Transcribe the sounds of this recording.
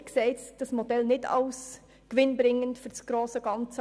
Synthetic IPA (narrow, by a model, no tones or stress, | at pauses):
kseːtd̥ɑsmod̥ɛlnɪtʰɑ̰ʊs | kʋɪnbɾɪŋːəntfʏsɡ̥ɾoːsəɡ̥ɑnt͡s